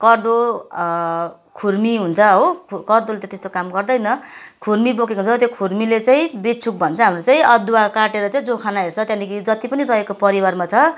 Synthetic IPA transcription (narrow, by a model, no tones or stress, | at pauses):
kʌrd̪o | kʰurmiɦunt͡sʰʌɦokʰkʌrd̪olet̪ãt̪est̪okamɡʌrd̪ʌjnʌkʰurmibokekount͡sʰʌt̪jekʰurmilet͡saĩbet͡sʰuk̚bʱʌnt͡sʰʌɦamrot͡saĩʌd̪uakaʈeɾʌt͡saĩd͡zokʰanaɦert͡sʰʌt̪jãnikid͡zʌt̪ipʌnirʌɦekopʌɾiwarmat͡sʰʌ